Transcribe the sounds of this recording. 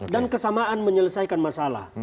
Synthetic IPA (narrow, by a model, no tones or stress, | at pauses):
dankəsamaʔanməɲələsajkanmasala̰h